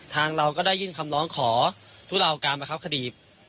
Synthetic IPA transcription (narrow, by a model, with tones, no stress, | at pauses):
t̪ʰaː˧ŋɾa˧wkɔː˥˩daː˥˩jːɯː˥˩nkʰa˧mlɔː˦˥ŋkʰɔː˩˦ | t̪ʰu˦˥˩la˧wkaː˧maː˧˩kʰp̚kʰdiː˨˩p̚